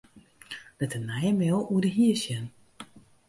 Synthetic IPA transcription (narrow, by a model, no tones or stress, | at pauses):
dɛtənɛjəmɛlˠuədəɦiəsjən